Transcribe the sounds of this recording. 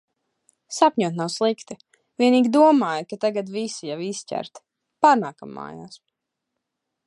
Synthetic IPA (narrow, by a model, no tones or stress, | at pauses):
sapʲɲuɔt̪nawslˠikt̪i | vʲiɛniːɡʲid̪uɔmaːjkat̪aɡat̪visijaviscʲæ̰ɾt̪ | paːɾnaːkamːa̰ːja̰ːs